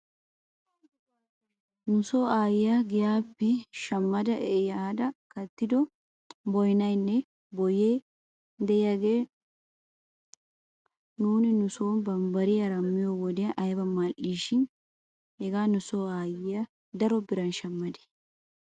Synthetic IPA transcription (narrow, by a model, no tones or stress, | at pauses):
nʊsoːaːjɪjaɡɪjaːpːɛʃɐmːɐd̪ɐʔɛjaːd̪ɐkɐt̪ːɪd̪ɔ | bɔjnɐjnːɛ | bɔjeː | d̪ɛjaɡeː | nuːnɪnʊso̞ːnbɐmbɐɾɪjɐɾɐmːɪjowɔd̪ɪjɐʔɐjbɐmaːʔiːʃɪn | hɛɡaːnʊsoːaːjɪjɐ | d̪ɐɾɔbɪɾɐnʃɐmːɐd̪ɛ̥